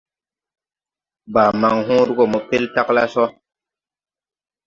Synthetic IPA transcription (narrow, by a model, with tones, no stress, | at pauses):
ba˨ma˨ŋɦũ˦ɾu˦ɡo˨mɔ˨pe˦lta˦kla˦sɔ˦